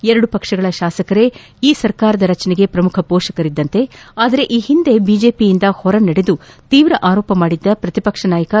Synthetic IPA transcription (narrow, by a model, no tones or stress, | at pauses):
ɛɾɐɽupɐkʂɐɡɐɭɐʃaːsɐkɐɾe̞ | iːsɐɾkaːɾɐd̪ɐɾɐt͡ʃɐnɛɡe̞pɾɐmukʰɐpɔːʃɐkɐɾid̪ːɐnt̪e̞aːd̪ɐɾe̞ʔiːhind̪e̞biːd͡ʒe̞ːpijind̪ɐhɔɾɐnɐɽe̞d̪ut̪iːʋɾɐʔaːɾoːpɐmaːɽid̪ːɐpɾɐt̪ipɐkʂɐnaːjɐkɐ